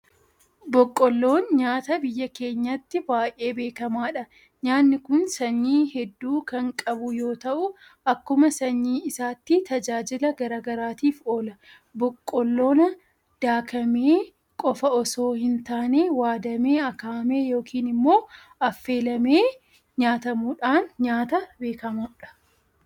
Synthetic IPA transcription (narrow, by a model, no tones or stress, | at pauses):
bɔkʼːɔlːo̞ːnɲaːt̪ɐbɪjːɐke̞ːɲːɐt̪ːɪbaːʔʔeːbe̞ːkɐmaːᶑɐ | ɲaːnːɪkʊnsɐɲːiːhɛd̪ːuːkɐŋkʼɐbʊjo̞ːt̪ɐʔʊ | ɐkːʊmɐsɐɲːiːɪsaːt̪ːɪt̪ɐd͡ʒaːd͡ʒɪlɐɡɐɾaːɡɐɾaːt̪iːfo̞ːlɐ | bɔkʼːɔlːo̞ːnɐ | d̪̥aːkɐmeː | kʼɔfɐɔsoːhɪnt̪aːneːwaːd̪ɐmeːɐkaːmeːjo̞ːkiːnɪmːo̞ː | ɐfːe̞ːlɐmeː | ɲaːt̪ɐmuːᶑaːnɲaːt̪ɐbe̞ːkɐmaːᶑɐ̥